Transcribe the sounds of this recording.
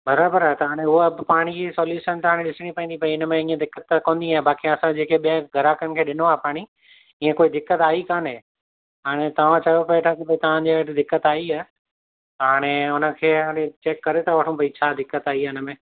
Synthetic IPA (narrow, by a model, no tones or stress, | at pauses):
bɐɾaːbəɾaɦt̪ɐɦaːɽ̃eʊɦobɪpaːɽ̃id͡ʑisɔːljuːʃənt̪ɐaːɽ̃ẽɗɪsɪɽ̃ipɐ̃ĩnd̪ipɐiɪnəmẽĩːə̃d̪ɪkːət̪ːkõːnd̪iaːɦebaːkiɐsãd͡ʑeːkʰeɓiə̃ɡʱɐɾaːkənɪ̆kʰeːɗɪnoaːɦepaːɽ̃i | ĩːẽkoːid̪ɪkːət̪aːikaːnɦe | ɦaːɽ̃et̪ɐʋ̤ãt͡ɕɐjopɐet̪ʰakibɐit̪ɐʋ̤ãɲd͡ʑiʈɪd̪ɪkːət̪aːiaː | ɦaːɽ̃eʊnə̆kʰeːaːɽ̃et͡ɕeːkːɐɾet̪ʰaʋɐʈʰũpɐit͡ɕʰaːd̪ɪkːət̪aːiaɪnəmẽː